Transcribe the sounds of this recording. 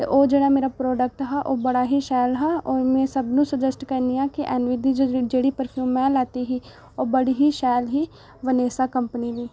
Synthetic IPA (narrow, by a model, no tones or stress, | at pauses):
t̪ḛʔoːd͡ʒeːɽameːɾapɾoːɖək̚ʈɦɛʔoːbɐɽaɦiʃaːlɦɛɔːɾmẽsɐbnũsɐd͡ʒəsʈkɐɾniãkeʔɛːnʋɪd̪ʱid͡ʒod͡ʒeːɽipəɾpʰjuːmːɛ̃laːt̪iɦi | oːbɐɽiɦiʃaːlɦi | ʋɐneːsakɐ̃mpənid̪iː